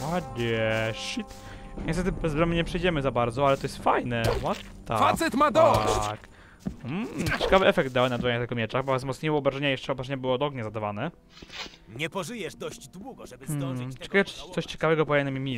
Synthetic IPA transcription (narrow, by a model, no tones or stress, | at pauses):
wad͡ʑɛɕit̪ | ɲʔɛst̪ɛt̪̬ɘbɛzbɾɔməɲɛpʂɛjd͡ʑɛmɘzabaɾd̪zɔalɛt̪ɔjɛst̪fajnɛwat̪ːa̰fat̪sɛt̪mad̪ɔk | m̩t͡ɕɛkavɘɛfɛk̚d̪̚d̪awɛnad̪vaɲat̪ɛɡɔmʲjɛt͡ʂaɣbɔzmɔt̪sɲejɔɔbɾaʐɛɲajɛʂt͡ʂɛɔbɾaʐɛɲabɘwɔd̪ɔɡɲazad̪avanɛ | ɲɛpɔʐɨjɛʐd̪ɔʑd͡ʑd̪wuɡɔɛbt͡ɕɛ̥kaɛ̥t̪sɔɕt͡ɕɛ̥kavɛɡɔpɔjɛnɛmimʲi